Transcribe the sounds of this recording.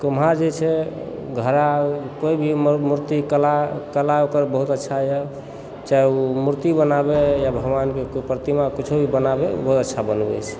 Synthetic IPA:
komɦad͡ʒet͡ʃʰɛ | ɡʱəɾakoibʱimmuɾt̪ikəlakəlaokəɾbəɦut̪ətːʃʰajə | t͡ʃaeumuɾt̪ibənabejabʱəɡʋankekoipɾt̪imakit͡ʃʰobʱibənabeṵbəɦut̪ətːʃʰabənbɛ̰t͡ʃʰɛ̥

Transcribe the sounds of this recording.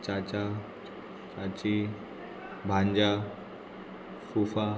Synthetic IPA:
t͡ɕat͡ɕa | t͡ɕat͡ɕi | bʱãɲd͡ʑa | fufa

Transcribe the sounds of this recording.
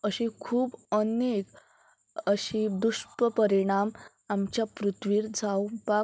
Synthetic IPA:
əɕĩkʰuːbənek | əɕid̪uɕpəpəɾiɽ̃am | amt͡ɕjapɾut̪ʋiːɾd͡zʱawpa

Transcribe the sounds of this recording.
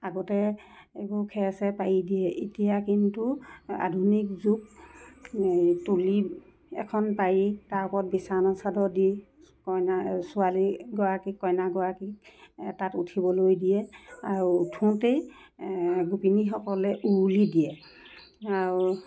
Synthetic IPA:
aɡɔtɛ | ekukʰɛsɛpajidiɛʔitijakintua̰dʱunik̚zuk̚ | tuli | ɛ̰kʰɔnpajitaɹpɔt̚bisanɔsadɔdi | kɔjnasʊaliɡɔɹakikːɔjnaɡɔɹakiktatutʰibɔlojdijɛaɹutʰũtej | ɡupinixɔkɔlɛʔulidijɛ | aɹu

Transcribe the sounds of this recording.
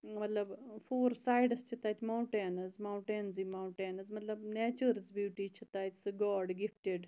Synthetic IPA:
mɐt̪ləbfoːɾsaːjɖəst͡ʃʰit̪aːt̪ʲmauɳʈeːnɐzmaũɳʈẽːnziːmauʈeːnɐzmɐt̪ləbnɛːt͡ʃəɾət͡sbjuːʈiːt͡ʃʰit̪aːt̪ʲsəɡɔːɾɖɡifʈeɖ

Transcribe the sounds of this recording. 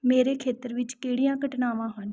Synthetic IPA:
meːɾeːkʰeːt̪əɾʋɪt͡ʃkeːɽijãːkəʈnaːʋãːɦən

